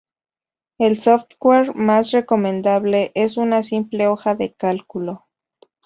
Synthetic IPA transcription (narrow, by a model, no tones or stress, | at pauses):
e̞lsoft̪ɡweɾmasre̞ko̞mẽnd̪aβle̞ʔesunasimple̞o̞xaðe̞kalkulo̞